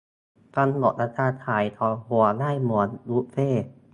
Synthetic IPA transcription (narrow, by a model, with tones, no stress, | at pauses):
ka˧nlo˨˩t̪̚ʔa˦˧˥t͡ɕʰaː˧t̪ʰaː˩˦jt̪ʰɔ˨˧˦lhu˨˩˦ɐlaː˥˩jmu˨˩˦ənlu˦˥ʔfeː˥˩